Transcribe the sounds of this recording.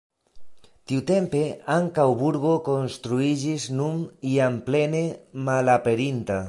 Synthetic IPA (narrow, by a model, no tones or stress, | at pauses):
t̪iwt̪empeaŋkawβuɾɣokonst̪ɾuid͡ʒiznumiamplenemalapeɾint̪a